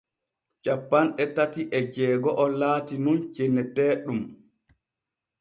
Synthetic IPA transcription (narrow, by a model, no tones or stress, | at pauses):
t͡ʃapːanɗɛtatiʔɛd͡ʒɛːɡɔʔɔlaːtinunt͡ʃenɛtɛːɗum